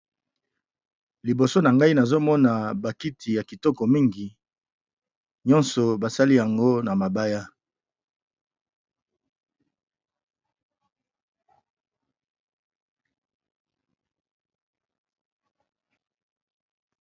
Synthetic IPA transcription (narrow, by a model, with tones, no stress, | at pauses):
li˨bo˨so˦na˨ŋɡa˦i˦na˨zo˦mɔ˦na˨ba˨ki˦tʰi˨ja˨ki˨tɔ˦kɔ˨mi˦ŋɡi˨ | ɲɔ̃˦nsɔ˨ba˨sa˦li˦ja˨ŋɡo˦na˨ma˨ba˦ja˦